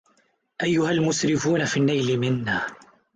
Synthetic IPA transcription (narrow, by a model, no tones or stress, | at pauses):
ʔajːʊhalmʊsɾɪfuːnafiːnːajlɪmɪnːaː